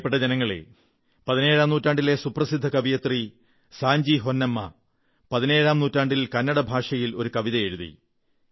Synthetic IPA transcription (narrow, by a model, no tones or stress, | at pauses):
pːeʈːɐd͡ʑenɐŋːɐɭḛ | pɐðine̞ːɻaːmnuːtːaːɳɖile̞suprɐsid̪ʱːɐkɐʋijɐt̪ri | saːɲd͡ʑiɦonːɐmːɐ | pɐðineːɻaːmnuːtːaːɳɖilkɐnːɐɽɐbʱaːʂɐjilo̞ɾukɐʋiðɐje̞ɻuðḭ